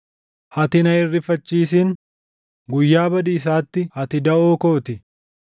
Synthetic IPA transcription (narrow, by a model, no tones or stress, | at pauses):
hɐt̪ɪnɐɪrːɪfɐt͡ʃːiːs̬ɪn | ɡʊjːaːbɐd̪iːs̬aːt̪ːɪhɐt̪ɪd̪ɐoːkoːt̪ɪ